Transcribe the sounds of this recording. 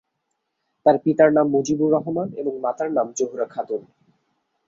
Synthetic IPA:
t̪aɾpit̪aɾnamːud͡ʑibuɾɔɦomanḛboŋmat̪aɾnamd͡ʑoɦuɾakʰad̪un

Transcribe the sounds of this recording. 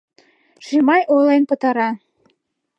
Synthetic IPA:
ʃimɑjʔolenpə̆t̪ɑɾɑ

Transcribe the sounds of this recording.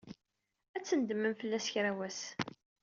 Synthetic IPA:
æt͡sːənd̪əmːənfəlːæsçɾæwæs

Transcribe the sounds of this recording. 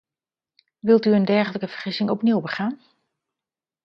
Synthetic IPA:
ʋɪlˠtyəndɛɹχələkəv̥əɹχɪsɪŋɔpniwbəχaːn

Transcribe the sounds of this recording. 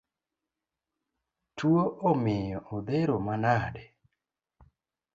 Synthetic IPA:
tuoʔomɪjɔʔod̪eɾomanadɛ

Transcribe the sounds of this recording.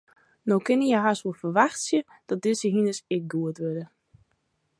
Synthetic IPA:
nowkɪnəjɛɦasuəfərʋaxtsjə | d̥ɔt̚d̥ɪsəɦinəsɪk̚ɡuətʋødə

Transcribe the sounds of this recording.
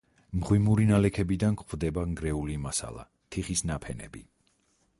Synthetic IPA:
mʁwimuɾinalɛkʰɛbid̪ankχwvd̪ɛbaŋɡɾɛulimasa̰lˠa̰ | t̪ʰiχisnapʰɛnɛ̰bi

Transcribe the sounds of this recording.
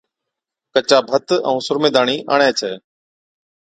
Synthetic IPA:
kət͡ʃaːbʱət̪ə̰̃ũːsʊɾmeːd̪aːɳiːʔa̰ːɳɛːt͡ʃʰɛː

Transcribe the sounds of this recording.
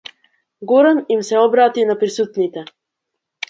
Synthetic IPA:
ɡɔɾɛnimsɛɔbɾat̪inapɾisut̪nit̪ɛ

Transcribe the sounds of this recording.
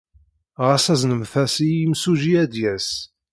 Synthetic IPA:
ʁasæznəmθæsimsuʒiæd̪jæs

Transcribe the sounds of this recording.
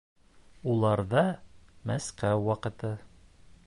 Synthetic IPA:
ulˠɑɾðɑmæsqæwwɑqɤ̆t̪ɤ

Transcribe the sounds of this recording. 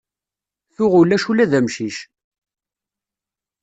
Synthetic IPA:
θʊʁʊlːæʃulæðæmʃiʃ

